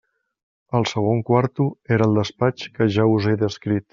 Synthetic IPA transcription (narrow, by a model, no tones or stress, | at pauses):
əlˠsəɣ̞oŋkwaɾt̪ueɾəlˠd̪əspat͡ʃkəʒauzeðəskɾit̪